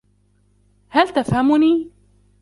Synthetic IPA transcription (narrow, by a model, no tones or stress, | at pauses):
halt̪afhamʊniː